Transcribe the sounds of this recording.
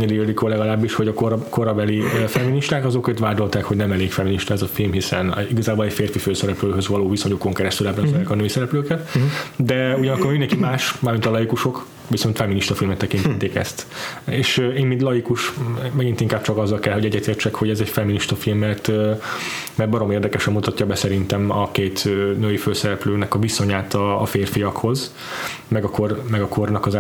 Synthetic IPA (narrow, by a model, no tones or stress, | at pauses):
ɲid̪eølikolɛɡɒlaːbːiʃho̞ɟɒkoɾkoɾɒbɛlifɛmːiniʃt̪aːkɒzo̞køt̪ʋaːd̪o̞lt̪aːkho̞ɟnɛmɛleːkfɛmːiniʃt̪ɒɛzɒfilmɦisɛniɡɒzaːbo̞lɛcfeːrfiføːsɛɾɛpløːɦøzʋɒloːvisoɲoko̞ŋkɛɾɛst̪ylɛbɾɛzɛɛkɒnøːisɛɾɛpløːkɛt̪d̪ɛuɟɒnɒkːorminɛkimaːʃmaːrmint̪ɒlɒjikuʃo̞k | ʋiso̞nt̪fɛmːiniʃt̪ɒfilmɛt̪ːɛkint̪ɛt̪ːeːkɛ̰st̪eːʃeːnmint̪lɒjikuʃmɛɡint̪iŋkaːb̚t͡ʃɒkɒzːɒlkɛlɦo̞ɟɛɟːɛt̪eːrt͡ʃɛkho̞ɟɛzɛcfɛmːiniʃt̪ɒfilmːɛrt̪ø | mɛrt̪̚bɒɾomeːrd̪ɛkɛʃɛmːut̪ɒcːɒbɛsɛɾint̪ɛmɒkeːt̪ønøːjiføːsɛɾɛpløːnɛkɒviso̞ɲaːt̪ɒːfeːrfijɒkho̞z | mɛɡɒkormɛɡɒkʰornɒkɒz